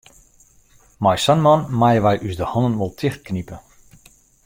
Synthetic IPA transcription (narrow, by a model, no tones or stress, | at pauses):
majsanmɔnmajəʋɛjʔysdəhɑndənʋɔlˠtʰɪxt̚knipə